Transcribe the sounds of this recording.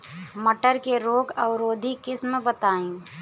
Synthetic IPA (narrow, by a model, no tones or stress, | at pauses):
məʈəɾkeɾoːɡɐʋɾoːd̪ʱikɪsmbət̪aːẽː